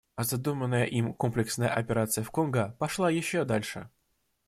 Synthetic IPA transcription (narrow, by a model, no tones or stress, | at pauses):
ɐzɐd̪umənːəjəʔimko̞mplʲɪksnəjə̰ʔɐpʲɪɾat̪sɨjəfkonɡəpɐʂlˠajɪɕːod̪alʲʂɨ̰